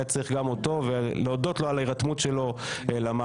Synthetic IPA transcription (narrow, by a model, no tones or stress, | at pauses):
at͡sʁiχɡamoto̞veleodo̞tloalaiʁatmutʃelo̞elama